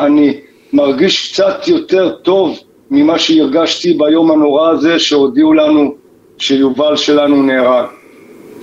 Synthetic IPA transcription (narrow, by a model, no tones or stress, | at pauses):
ani | maʁɡiʃkt͡sat̪jo̞t̪e̞ʁt̪o̞v | mimaʃeiʁɡaʃt̪ibajo̞mhano̞ʁaːze̞ʃeod̪iulanu | ʃejuvalʃe̞lanuneʁaɡ